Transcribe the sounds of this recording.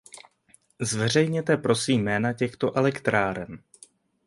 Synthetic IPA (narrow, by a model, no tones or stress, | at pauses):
zvɛr̝ɛjɲɛt̪ɛpɾo̞siːmːɛːnacɛxt̪o̞ʔɛlɛkt̪ɾaːɾɛm